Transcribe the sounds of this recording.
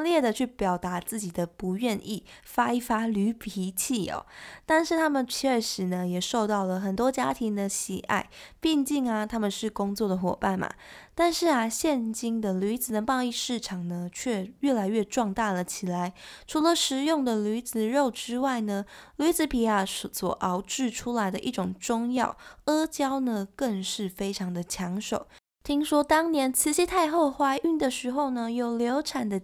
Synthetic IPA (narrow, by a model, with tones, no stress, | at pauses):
ljɛ˥˩d̪ə˨t͡ɕʰy˥˩pjɑ˨˩ʊt̪a˧˥t͡sɹ̩˥˩t͡ɕi˨˩d̪ə˦pu˧˥ɥɛ˥˧nʔi˥˩fa˥i˥˩fa˥ly˧˥pʰi˧˥t͡ɕʰi˥˩ɔ̰˨˩t̪a˥˧nʂɻ̩˥˩t̪ʰa˥mə˨nt͡ɕʰɥɛ˥˩ʂɻ̩˧˥nə˧jɛ˨˩ʂo˥˧ʊt̪ɑ˥˩ʊlə˩xə˨˩nt̪̬wɔ˥t͡ɕja˥t̪ʰi˧˥ŋd̪ə˧˨ɕḭ˨˩ʔa̰˥˩ɪpi˥˧ŋt͡ɕi˥˩ŋa˨t̪ʰa˥mə˨nʂɻ̩˥˩kʊ˥ŋt͡swɔ˥˩d̪ə˩xwɔ̰˨˩pa˥˩nma̰˩t̪a˥˧nʂɻ̩˥˩a˩ɕjɛ˥˧nt͡ɕi˥nd̪ə˨ly˧˥t͡sɹ̩˨˩d̪ə˨mɑ˥˧ŋi˥˧ʂɻ̩˥˩ʈ͡ʂʰɑ˨˩ŋnə˩˦t͡ɕʰɥɛ˥˩ɥɛ˥˩la˧˥ɪɥɛ˥˧ʈ͡ʂwɑ˥˧ŋt̪a˥˩lə˩t͡ɕʰi˨˩la˧˦ɪʈ͡ʂʰu˧˥lə˨ʂɻ̩˧˥jʊ˥˩ŋd̪ə˨ly˧˥d͡zɹ̩˨ɻo˥˩ʊʈ͡ʂɻ̩˥wa˥˩ɪnə˩ly˧˥d͡z̩˧˥pʰi˨˩a˨˩swɔ̰˨˩ʔɑ˧˥ʊʈ͡ʂɻ̩˥˧ʈ͡ʂʰu˥la˧˥ɪd̪ə˧ʔi˥˩ʈ͡ʂʊ˨˩ŋʈ͡ʂʊ˥˧ŋjɑ̰˥˩ʊə˥t͡ɕjɑ˥ʊnə˨kə˥˧ŋʂɻ̩˥˩fe˥ɪʈ͡ʂʰɑ˧˥ŋd̪ə˨t͡ɕʰjɑ˧˥ŋʂo˨˩ʊ | t̪ʰi˥ŋʂwɔ˥t̪ɑ˥ŋnjɛ˧˥nt͡sʰɹ̩˧˥ɕi˧˥t̪ʰa˥˧ɪxɤ˥˧xwa˥ɪʔy˥˩nd̪ə˨ʂɻ̩˧˥xo˥˩ʊnə˨jo˨˩ʊljo˧˥ʊʈ͡ʂʰa˨˩nd̪ə˦